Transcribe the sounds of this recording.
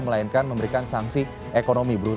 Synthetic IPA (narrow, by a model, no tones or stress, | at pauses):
məlainkanməmbəɾikansaŋsi | ʔekonomibəɾu